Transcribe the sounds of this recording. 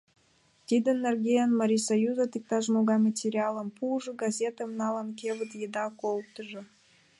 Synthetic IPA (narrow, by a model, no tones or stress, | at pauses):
t̪id̪ə̆nːerɡʲejɑnmɑɾʲisojuzat̪ik̚t̪ɑʒmoɡɑmat̪ʲeɾʲiɑlˠəmpʰuʒə̆ɡazʲet̪əmnɑlˠɑnkʲevə̆t̪jed̪ɑkol̚ˠt̪əʒɤ̆